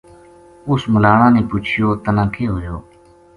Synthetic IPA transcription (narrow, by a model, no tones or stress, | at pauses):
ʊsməlaːɳãːnẽːpʊt͡ʃʰjoːt̪ənãːkʰeːɦoːjoː